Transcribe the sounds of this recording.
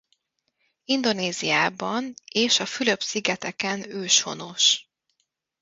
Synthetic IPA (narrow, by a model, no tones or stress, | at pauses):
ind̪o̞neːzijaːbɒneːʃɒfyløpsiɡɛt̪ɛkɛnøːʃho̞̰no̞ʃ